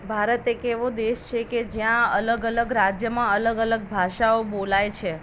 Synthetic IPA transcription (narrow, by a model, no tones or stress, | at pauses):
bʱaɾət̪ekeʋõd̪eʃt͡ʃʰeked͡ʒjãələɡələɡɾad͡ʒjəmãələɡələɡ̚bʱaʃaobolajt͡ʃʰe